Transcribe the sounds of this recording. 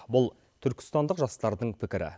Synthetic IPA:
bʊlˠ | t̪ʰʏɾkʲɪ̥st̪ɑnd̪əqʒɑst̪ɑɾd̪əɴpʰɪkʲɪɾɪ̰

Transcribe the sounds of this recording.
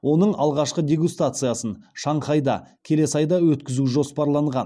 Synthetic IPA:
wʔo̞nəɴɑlˠʁɑʃqəd̪ʲe̞ɡust̪at̪sɨjasənʃɑɴχɑjd̪ɑ̰kʲʰe̞le̞sɑjd̪ɑwɵt̪kʲɪzuʒo̞spɑɾlˠɑɴʁɑ̰n

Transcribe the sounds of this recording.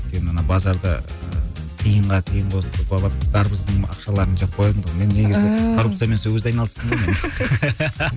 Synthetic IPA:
t̪kʲe̞nɪmənɑbɑzɑɾd̪ɑ̰ət̪ʰijəɴʁɑt̪ʰijəɴqʰosənd̪əbɑlˠɑpd̪ɑɾbəzd̪əɑ̰qʃɑlˠɑɾənʒɑp̚qʰojlˠənd̪əʁme̞nːe̞ɡʲɪzɪkʰoɾupt̪sɨjame̞nsewɵzeɑjnɑlˠəst̪əɴdɾmen

